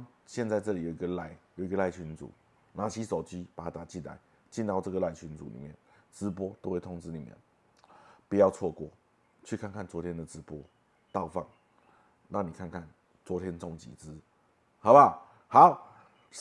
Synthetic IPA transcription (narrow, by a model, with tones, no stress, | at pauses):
ɕjɛ˥˧nt͡sa˥˧ɪt͡sɤ˥˨li˨jo˨˩ʊi˧˥ɡə˨la˧˩ɪjo˨˩ʊi˧˥ɡə˧la˥˧˩ɪt͡ɕʰy˧˥nt͡sṵ˨˩˦ | na˨˩t͡ɕʰi˦˥so˨˩ʊt͡ɕi˥pa˨˩a˦˩t̪a˨˩t͡ɕi˥˩nla̰˧˦ɪ | t͡ɕi˥˧nt̪ɑ˥˧ʊɤ˥˩ɡə˩˨la˥˩ɪt͡ɕʰy˧˦nt͡sṵ˨˩nḭ˨˩mjɛ̰˥˩˨n | ʈ͡ʂɻ̩˧˥p̬wɔ˥t̪o˥ʊxwe˥˩ɪt̪ʰʊ˥ŋt͡sɻ̩˧˥ni˨˩mjɛ̰˥˨n | pu˨˩jɑ˥˧ʊt͡sʰwɔ˥˧kwɔ˥˩ | t͡ɕʰy˥˧kʰa˥˧nkʰa˥˩nt͡swɔ˧˥t̪ʰjɛ˥nd̪ə˨t͡sɻ̩˧˥pwɔ˥ | t̪ɑ˥˧ʊfa˥˩ŋ | na˥˩ŋni˨˩kʰa˥˧nkʰa˥˩n | t͡swɔ˧˥t̪ʰjɛ˥nt͡sɔ˥˧ŋt͡ɕḭ˨˩t͡sɹ̩˧˦ | ha˨˦ʊba˥˧˩ | ha˨˦ʊ